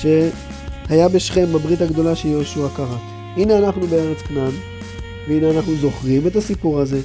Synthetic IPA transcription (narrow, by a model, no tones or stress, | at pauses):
ʃe̞ | hajabe̞ʃχe̞mabʁit̪haɡd̪o̞laʃeljoʃuakaʁat | ʔineanaχnubeeʁet͡spnam | veineanaχnuzo̞χʁime̞t̪asipuʁaze̞